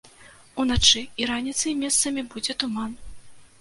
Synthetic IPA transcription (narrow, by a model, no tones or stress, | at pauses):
unat͡ʂɨiɾanʲit̪sɨjmʲɛst̪sɐmʲibud͡zʲɛt̪uman